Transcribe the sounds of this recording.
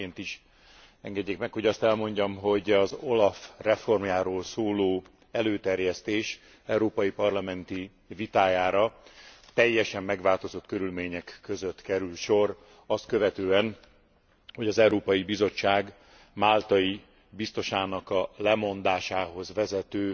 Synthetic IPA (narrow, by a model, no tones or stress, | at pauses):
eːnt̪iʃ | ɛŋɡɛɟːeːkmɛkho̞ɟɒst̪ɛlmo̞ɲɟɒmɦo̞ɟɒzo̞lɒfrɛfo̞rmjaːɾoːlsoːloː | ɛløːt̪ɛrjɛst̪eːʃ | ɛuɾoːpɒjipɒrlɒmɛnt̪i | vit̪aːjaːɾɒt̪ɛjːɛʃɛmːɛɡʋaːlt̪o̞zo̞t̪kø̞ɾylmeːɲɛkːøzøt̪kɛɾylʃo̞r | ɒst̪̚kø̞vɛt̪øːɛn | ho̞ɟɒzɛuɾoːpɒjibizo̞t͡ʃːaːɡ | maːlt̪ɒji | bist̪o̞ʃaːnɒkɒlɛmo̞nd̪aːʃaːɦo̞zʋɛzɛt̪øː